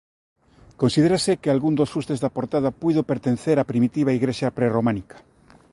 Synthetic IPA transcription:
konsiðeɾasekealɣund̪osfust̪ezðapoɾt̪aðapujðopeɾt̪enθeɾapɾimit̪iβ̞aiɣɾeʃjapɾeromanikḁ

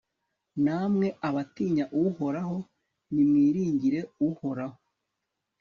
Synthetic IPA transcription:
namŋe̞ʔaβatiːɲaʔuho̞ɾaɦo̞ | nimwiːɾiːɲɟiɾe̞uho̞ɾaho

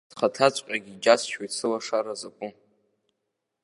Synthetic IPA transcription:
d̥χatʰat͡sʷʼqʲʼaɡʲid͡ʒasʃojsʰɨlaʂaɾazapʷʼʊ

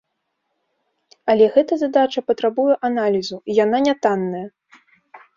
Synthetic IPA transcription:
ɐlʲɛɣɛt̪ɐzad̪at͡ʂɐpɐt̪ɾabujɛʔanalʲizuijananʲat̪anːɐjɐ

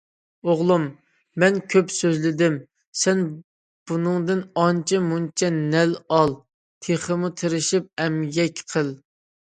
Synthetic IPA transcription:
oʁlˠumː | ɛnkʲʰøpsøzlɪd̪ɪm | sɛn | b̥unɨŋd̪ɪnɑnt͡ʃʰɛmunt͡ʃʰɛnɛlɑlˠ | t̪ʰeχəmut̪ʰɪɾɪʃip̚ɛmjɛkʲqʰəlˠ

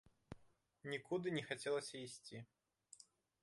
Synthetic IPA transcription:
nʲikud̪ɨnʲɛxat͡sʲɛlˠɐsʲɐisʲt͡sʲi

